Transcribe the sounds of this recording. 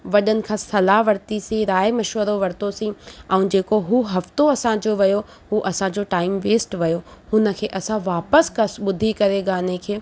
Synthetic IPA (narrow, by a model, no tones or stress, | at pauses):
ʋɐɗənɪ̆kʰãːsɐlaɦʋɐɾt̪isĩɾaːemɐʃʋəɾoʋɐɾt̪osĩɛ̃ũd͡ʑeːkoɦuɦɐft̪oɐsãd͡ʑoːʋɐjo | ɦuʔɐsãd͡ʑoːʈaːɪmʋeːsʈʋɐjohʊnə̆kʰeːʔɐsãʋaːpəskɐsɓʊd̪ʱikɐɾeɠaːnekʰeː